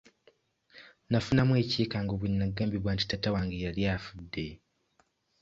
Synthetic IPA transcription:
nafunamwe̞ːciːkaːŋɡoβwinːaɡaːmbiβwaːnti̥tatawaːŋɡejaljaːfudːe̞

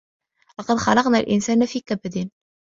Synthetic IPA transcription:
lɑqɑd̪xɑlɑqnaːlʔɪnsaːnfiːkabd̪ɪn

